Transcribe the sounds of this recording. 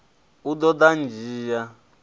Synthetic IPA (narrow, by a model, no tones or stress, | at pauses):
ud̪ɔd̪and͡ʒiːja